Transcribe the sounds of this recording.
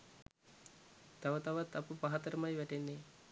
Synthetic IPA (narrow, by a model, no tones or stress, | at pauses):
t̪ɐʋɐt̪ɐʋɐt̪ɐpupɐɦɐt̪ɐɾɐmɐjʋɛʈenːe